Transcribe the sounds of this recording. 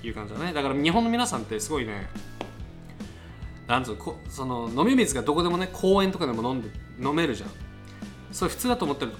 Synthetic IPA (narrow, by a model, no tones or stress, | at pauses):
jɯ̟ːkãɲd͡ʑid̪aned̪akaɾaɲ̟iɦõnːo̞mʲinasãnt̪ːesɨɡo̞ine̞̰ | nãnd̪t͡sɨkʰosono̞no̞mʲimʲizɨɡad̪o̞ko̞d̪e̞mo̞ne̞kʰo̞ːẽ̞nt̪o̞kad̪e̞mo̞nõnd̪ | no̞me̞ɾɯ̟ʑã̰ | soɾeɸɯ̟̥t͡sɨːd̪at̪oːmo̞t̪ːeɾɯ